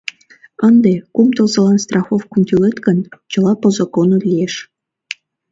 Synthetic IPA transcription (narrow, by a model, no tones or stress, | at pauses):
ənd̪ekumt̪ɤ̆lzɤ̆lɑnst̪rɑxofkunt̪ʲylʲet̪kənt͡ɕɤ̆lˠɑpozokonot̪lʲijeʃ